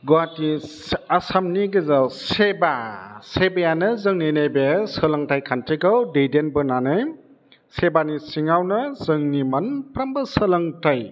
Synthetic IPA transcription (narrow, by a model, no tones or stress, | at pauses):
ɡuati | asamniɡɯzawsebasebajanɯzɯŋninejbesɯlɯŋtʰajkʰantʰiɡɯwdejdenbɯnanɯj | sebanisiŋawnɯzɯŋnimanpɾambɯsɯlɯŋtaj